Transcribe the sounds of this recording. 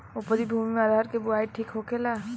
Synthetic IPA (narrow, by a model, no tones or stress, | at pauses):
opəɾibʱumimead̪ʱaɾkebʊaiʈʰiːkɦokela